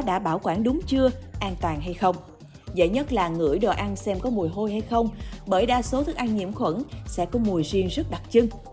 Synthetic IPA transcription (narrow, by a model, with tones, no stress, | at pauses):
ɗa̰ː˧˥ɓaː˧˩wkwaː˧˩nɗʊ˨˦ŋ͡mt͡ɕɨ˧əʔaː˧nt̪waː˨˩nɦa˧jxə˧wŋ͡m | zə̰˧˥˨jɲə˦˥t̚laː˨˩ŋɨ̰˧˩əjɗɔ˨˩ʔa˧nsɛ˧mkɔ˨˦mu˨˩əjɦo˧jha˧jxə˧wŋ͡mɓəː˧˩jɗaː˧so˨˦t̪ʰɨ˦˥k̚ʔa˧ŋɲḭ˧˩əmxwə̰˧˥˩nsɛ̰˧˥kɔ˨˦mu˨˩əjzi˧əŋzə˦˥t̚ɗa˨˩t̚t͡ɕɨ˧ŋ